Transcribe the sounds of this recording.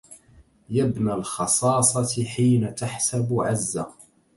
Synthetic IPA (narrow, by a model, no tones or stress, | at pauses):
jabnalxɑsˤɑːsˤɑt̪ħiːnat̪aħsabʕazːa